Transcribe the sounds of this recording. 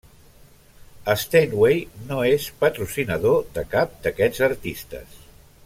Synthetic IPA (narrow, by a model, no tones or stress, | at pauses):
əst̪enwejnoespət̪ɾusinəðoðəkap̚d̪əkɛzəɾt̪ist̪ə̰s